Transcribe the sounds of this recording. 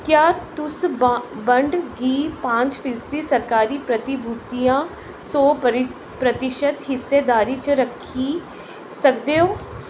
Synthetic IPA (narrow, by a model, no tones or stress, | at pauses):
kjaːt̪ʊsbə̃ɳɖɡiːpãːɲt͡ʃpʰɪst̪isəɾkaːɾiːpɾət̪ɪbʱut̪ijãː | soːɪ | pɾət̪ɪʃəd̪ɦɪsːeːd̪aːɾiːt͡ʃɾəkʰːi | səkd̪eːoː